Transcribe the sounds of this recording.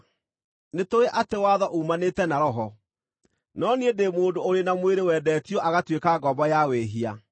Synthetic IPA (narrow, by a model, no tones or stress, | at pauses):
netoɾeʔatewaðɔʔumaneːtɛnaɾɔɦɔ | nɔniedemoːdoːɾenamweɾewɛːdɛtiɔʔaɣatwekaɡɔbɔjaweɦia